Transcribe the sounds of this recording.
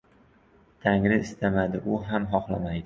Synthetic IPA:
t̪ʰaŋɾɪɪst̪ʰamad̪ɪʔʊɦamɦɒχlˠamajd̪ɪ

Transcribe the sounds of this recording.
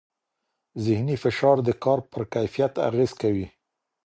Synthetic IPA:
zɪhnifɪʃɑɾd̪əkɑɾpəɾkajfijat̪a̰ɣez̥kawi

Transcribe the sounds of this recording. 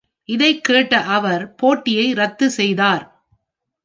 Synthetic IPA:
ʔɪðɐɪkːeːʈːɐʔɐʋɐɾpoːʈːɪjɐɪɾɐt̪ːɯsɛjðaːɾ

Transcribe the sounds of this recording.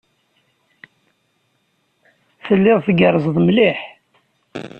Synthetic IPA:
θəlːɪðˤθɡəɾˤzˤðˤmliħ

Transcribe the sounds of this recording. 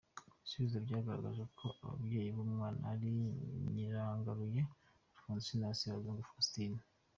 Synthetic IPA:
isuβizobɟaːɡaɾa̰ɡaʒekʰo̞a̰βa̰bɟe̞ːjiβomŋaːna̰ːɾiɲiɾaːŋɡaɾuje | aɾifuːnzisenaasiβazeŋɡofastine

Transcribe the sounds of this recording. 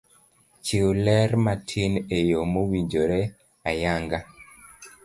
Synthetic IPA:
t͡ʃiolɛɾmatʰinejomowiɲd͡ʒoɾe | ajaŋɡa

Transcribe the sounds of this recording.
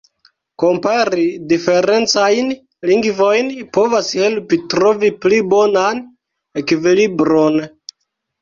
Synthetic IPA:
kompaɾidifeɾent͡sajn | liŋɡvojnipovashelpitɾoviplibonan | ekivilibɾon

